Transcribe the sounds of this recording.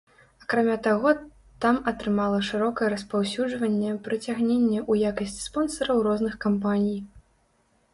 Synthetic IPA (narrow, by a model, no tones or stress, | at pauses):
ɐkɾamʲat̪aɣɔ | t̪amɐt̪ɾɨmalˠɐʂɨɾɔkɐjɛɾɐspawsʲud͡ʐvɐnʲːɛpɾɐt͡sʲaɣnʲenʲːɛʔujakɐsʲt͡sʲi̥spɔnsɐɾɐwrɔznɨxkampanʲij